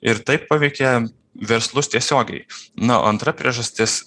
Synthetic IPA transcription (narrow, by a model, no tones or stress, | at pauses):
ɪɾt̪ɐɪppɐʋʲɛɪkʲɛ | ʋʲɛɾslˠʊst̪ʲiɛsʲoːɡʲɛ̰ɪnɐ̰ɐnt̪ɾɐpʲɾʲḭɛʒɐsʲt̪ʲɪs